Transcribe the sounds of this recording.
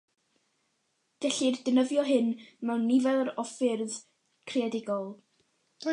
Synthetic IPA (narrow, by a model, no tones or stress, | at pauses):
ɡ̥ɛɬirdənəvjɔɦɨnmɛwnːivɛlˠɾɔfɪrð | kʰreadɪɡɔlˠ